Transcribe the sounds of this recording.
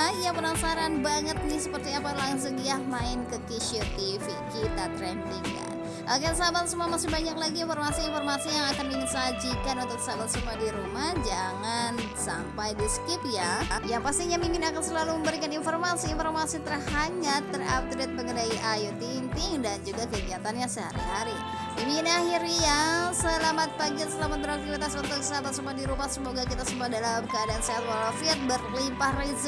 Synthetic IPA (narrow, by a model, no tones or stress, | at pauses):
japənasaɾanbaŋət̪̚nɪsəpərt̪iapalaŋsuŋjahmaɪnkəkiʃiot̪ifikit̪at̪ɾɛnt̪ɪŋja̰ | ʔaɡansabalsəmuamasɪbaɲaklaɡinformasiːnfɔrmasijaŋakandiŋəsad͡ʒikanunt̪ʊk̚sabalsəmuadiɾumahd͡ʒaŋan | sa̰mpajdiskɪp̚jajaŋpast̪iɲamimɪnakansəlaluməmbəɾikaninformasiːnformasit̪ərhaŋat̪ːəra̰b̚d̪ɾet̪̚məŋənaiʔajut̪iːnt̪ɪŋdand͡ʒuɡakəɡiat̪anɲasəha̰ɾḭɦaɾi | iminahiɾɲasəlamat̪̚paɡiansəlamat̪̚bəɾak̚t̪ibit̪asunt̪ʊk̚sat̪atsəmuadiɾumahsəmoɡakit̪asəmuadalamkəadaːnseat̪walafit̪̚bərlimpahrez